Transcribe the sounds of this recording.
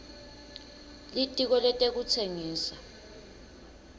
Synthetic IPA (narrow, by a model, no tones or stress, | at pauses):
litʼik̬ɔlɛtʼek̬ut͡sʰeŋiːsa